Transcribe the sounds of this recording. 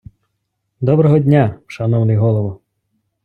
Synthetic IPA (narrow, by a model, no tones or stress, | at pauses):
d̪ɔbɾɔɦɔdʲnʲaʃɐnɔwnɪjɦɔlˠɔʋɔ